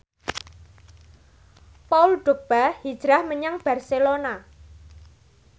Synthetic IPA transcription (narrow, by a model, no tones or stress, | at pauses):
paulɖ̥o̤k̚b̥ahid̥ʒ̥ɾahməɲaŋb̥a̤rselona